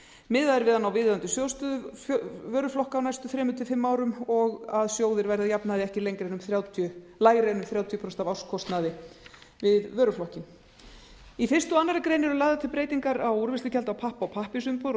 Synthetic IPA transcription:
mɪðaðɪɾvɪðanːawvɪððant̪ʏsjoːwst̪œðʏvœːɾʏflɔhkawnajst̪ʏθɾɛːmʏt̪ʰɪlfɪmːaːwɾʏmɔɣaðsjoːwðɪɾvajɾðajapnaðɪɛhcɪlejŋkɾejnʏmθɾjaːwt̪ʰjʏ | lajɣɾejnʏmθɾjaːwt̪ʰjʏpʰɾɔst̪avawskʰɔst̪naðɪ | vɪðvœːɾʏflɔhcɪm | ifɪrst̪ʏanːaɾakɾejnɛɾʏlaːjðat̪ʰɪlpɾejt̪iŋkaɾawuɾvɪst̪ɪcʰɛlt̪awpʰahpaawpʰahpɪsʏmpoɾ

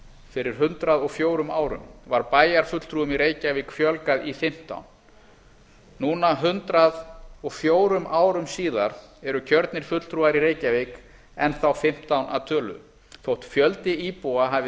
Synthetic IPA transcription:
fɪɾɪɾ̥ɦʏnt̪ɾaðɔɣfjoːwɾʏmaːwɾʏ̰mvaɾpaːjaɾ̥fʏt̪l̥t̪ɾuːʏmiɾeːjcavikfjœlkaðifɪm̥t̪a̰wn | uːnaɦʏnt̪ɾaðɔɣfjoːwɾʏmʔaːwɾʏmsiːðaɾ̥ɛɾʏcʰœɾt̪nɪɾ̥fʏt̪l̥t̪ʰɾuːaɾiɾeːjcavek | ɛnθawfɪm̥t̪awnʔa̰ðt̪ʰœːlʏ̰ | θowht̪fjœlt̪ɪipuaɦaːvɪ

